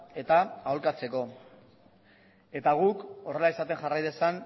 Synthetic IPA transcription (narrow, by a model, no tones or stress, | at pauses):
e̞t̪aːolkat͡se̞ko̞ | e̞t̪aɣ̞uko̞re̞laisat̪e̞nʝarajðe̞san